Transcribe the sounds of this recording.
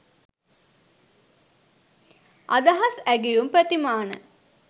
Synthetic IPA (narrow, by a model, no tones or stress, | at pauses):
ʔa̰d̪ɐɦɐsæɡijumpæt̪imaːnə̰